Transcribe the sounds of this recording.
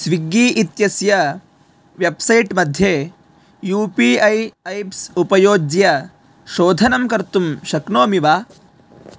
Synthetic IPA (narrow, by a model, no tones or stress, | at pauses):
sʋiɡiːʔit̪jɐsjɐ | ʋjebsɐjʈmɐd̪ʱjeː | juːpiɐjɐjpsupɐjoːd͡ʒjɐ | ʃoːd̪ʱɐnɐmkɐɾt̪umʃɐknoːmiʋaː